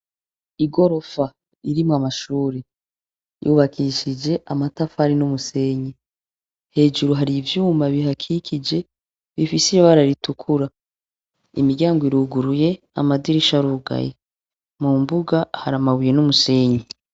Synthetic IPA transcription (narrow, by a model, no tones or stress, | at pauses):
iɡo̞ɾo̞fa | iɾimwamaʃuːɾe | jṵβakʰiʃid͡ʒe̞ʔamatafhaɾinumuse̞ɲe | he̞ːd͡ʒuɾuɦaɾivjuːmbaβiɦakʰikʰid͡ʒe̞ | βifisijaβaɾaɾitukʰuɾa | ḭmiɾɟaːŋɡoiɾuːɡuɾuje̞ | a̰madiɾiʃaɾuɡa̰jḛ | mumbuɡahaɾamaβuje̞numuse̞ːɲe